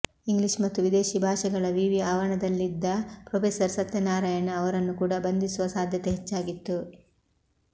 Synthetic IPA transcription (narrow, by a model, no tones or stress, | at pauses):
iŋɡliʂmɐt̪ːuʋid̪e̞ːʃibʱaːʂɐɡɐɭɐʋiʋiaːʋɐɳɐd̪ɐlːid̪ːɐpɾoːpʰesɐɾsɐt̪jɐnaːɾɐjɐnɐʋɐɾɐnːukuːɽɐbɐnd̪isuʋɐsaːd̪ʱjɐt̪eɦet͡ʃːaːɡit̪ːu